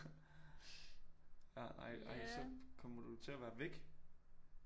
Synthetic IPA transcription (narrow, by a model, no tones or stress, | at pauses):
jænɑ̰̈ɪ̰ɑɪ̰sɒ̽kʰɒ̽mɐd̥ut͡sʰe̝æʋæːɐʋeɡ̥